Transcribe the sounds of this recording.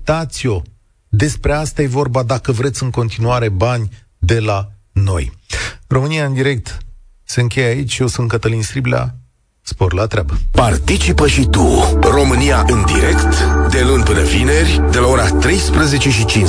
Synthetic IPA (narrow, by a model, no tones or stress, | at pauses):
t̪at̪sio̞ | d̪e̞spɾe̞ast̪aje̞vo̞rbad̪akəvɾe̞t̪sʲɨŋko̞nt̪inuaɾe̞banʲ | d̪e̞la | no̞̰jro̞mɨnijaɨnd̪iɾe̞k̚t̪ | se̞ɨŋkʲe̞jait͡ʃʲjeosunt̪̚kət̪əlinsɾiblʲa̰ | sporlat̪ɾʲabəpart̪it͡ʃipəʃit̪uro̞mɨnijaʔɨnd̪ḭɾe̞kt̪d̪e̞lunʲpɨnəvine̞rʲ | d̪e̞lao̞ɾat̪ɾe̞jspɾəze̞t͡ʃe̞ʃit͡ʃin